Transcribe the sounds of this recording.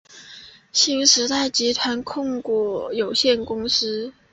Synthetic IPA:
ɕi˧˥nʂɻ̩˧˥t̪a˥˩ɪt͡ɕi˧˥t̪ʰwa˧˥nkʰʊ˥˧ŋku˥˩jo˨˩ʊɕjɛ˥˩nkʊ˥ŋsɹ̩˥

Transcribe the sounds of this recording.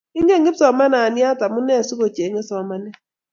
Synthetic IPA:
ɪ˦ŋɡe˦˨ŋɡɪ˦psɔ˨ma˦na˨nɪ˦a˦ta˨mu˦nɛ˦˨su˦ko˨t͡ʃe˨ŋe˦sɔ˨ma˦nɛ˦

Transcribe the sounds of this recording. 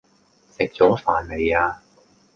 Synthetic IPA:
sɪ˨k̚t͡ʃɔː˨˥faː˨˩nle˨˧jaː˧

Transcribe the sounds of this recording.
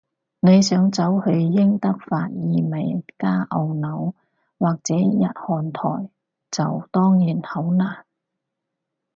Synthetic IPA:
ne˨˧jsœː˨˥ŋt͡sɐ˨˥whɵ˧ɥjɪ˥ŋt̪ɐ˥k̚faː˧t̚jiː˨˧mɐ˨˩jkaː˥ʔɐ˧wnɐ˨˥w | waː˨k̚t͡sɛː˨˥jɐ̰˨˧t̚hɔː˨˩nt̪ʰɔ̰ː˨˩j | t͡sɐ˨wt̪ɔː˥ŋjiː˨˩nhɐ˨˥wnaː˨˩

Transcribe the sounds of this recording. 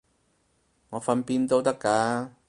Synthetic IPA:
ŋɔː˨˧fɐ˧npiː˧nt̪o˥wt̪ɐ˥kːaː˨˧

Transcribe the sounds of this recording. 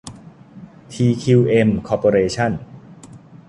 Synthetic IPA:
t̪ʰiː˧kʰi˧wʔe˧mkʰɔː˧poː˧ɾeː˧t͡ɕʰa˥˩n

